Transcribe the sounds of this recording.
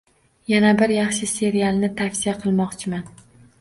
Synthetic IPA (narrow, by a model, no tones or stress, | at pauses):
janabɪɾjɑχʃɪse̞ɾijalˠnɪt̪ʰafsijaqʰɨlˠmɒqt͡ʃʰɪman